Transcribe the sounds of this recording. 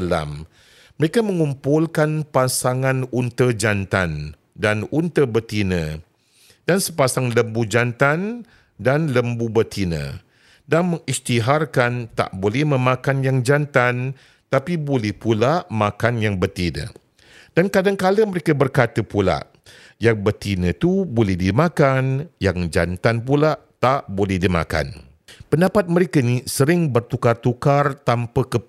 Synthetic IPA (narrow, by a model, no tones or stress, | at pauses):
la̰mː | əɾekamə̃ŋumpʊlkanpasaŋãnunt̪əd͡ʒant̪a̰n | danunt̪əbət̪inə̰̃ | dansəpasaŋləmbud͡ʒant̪an | danləmbubət̪ʰinə̰̃ | danməŋist̪iɦarkant̪a̰ʔbolɛhmə̃mãkanjaŋd͡ʒant̪an | t̪apibolɛhpulaʔmãkanjaŋbərt̪inə̰̃ | dankadaŋkaləməɾekəbərkat̪əpula̰ʔ | jaŋbərt̪inə̃t̪ubolɛhdimãkanjaŋd͡ʒa̰nt̪anpulaʔt̪aʔbolɛhdimã̰ka̰n | pəndapat̪̚məɾekənisəɾɪŋbərt̪ukart̪ukart̪ampəkə